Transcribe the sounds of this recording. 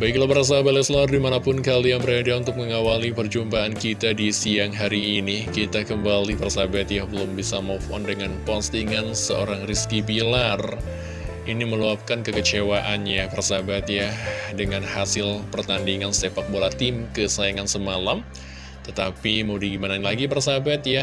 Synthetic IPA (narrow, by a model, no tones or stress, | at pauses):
baiklabəɾas̬abat̪lɛslaardimanapʊnkalijaŋbəɾadaunt̪ʊk̚məŋawalipərd͡ʒumpaːnkit̪adisiaŋɦaɾiːnikit̪akəmbalipərasabat̪jahbəlʊmbisamɔfɔ̰ndəŋanpɔnst̪iŋansəo̰ɾaŋriskibilar | ʔiniməluap̚kankəkət͡ʃewaʔanɲabərsabat̪jadəŋanhasɪlpərt̪andiŋanst̪efak̚bolat̪ɪmkəsajaŋansəmalam | t̪ət̪apimaudiɡimananlaɡipərsabat̪̚ja